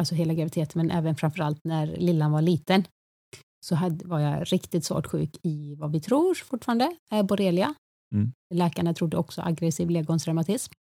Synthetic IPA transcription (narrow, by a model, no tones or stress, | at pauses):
alsɔɦeːlaɡɾavɪt̪ʰeːt̪mɛnʔɛ̰ːvənfɾamfœɾalt̪næɾlɪlːanvaɭiːt̪ən | sɔɦad̪vaja̰ɾɪkt̪ɪt̪svo̰ːʈɧʉ̰ːkɪvavɪt̪ʰɾuːɾfʊʈːfɑːɾand̪əɛbɔɾeːlɪa | lɛːkaɳat̪ʰɾʊd̪ːəɔksɔʔa̰ɡɾɛsiːvleːɡʊnt̪ʰɾaʊmat̪ʰɪsm